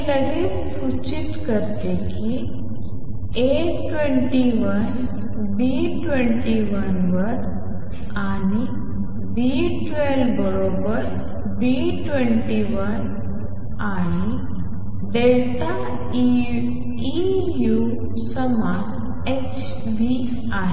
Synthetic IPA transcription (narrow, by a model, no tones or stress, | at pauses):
k̪ɐɾi | sut͡ʃit̪kəɾt̪eki | e | ʈʋeɳʈiʋɐən | bi | ʈwẽɳʈiʋɐnʋɐɾ | aːni | bi | ʈʋelbəɾobəɾ | bi | ʈʋẽɳʈiʋɐn | aː | i | d̪elt̪a | i | ju | sɐma | e | t͡ʃ | bi | aːɦ